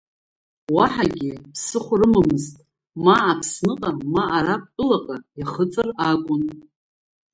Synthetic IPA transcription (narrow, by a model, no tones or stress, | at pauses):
waħaɡʲɪpʰsɨχʷrɨmamɨztʼ | maːpʰsnɨqʼamaʔːɾap̚ʼtʷʼɨlaqʼajaχət͡sʼɨrakʷʼʊn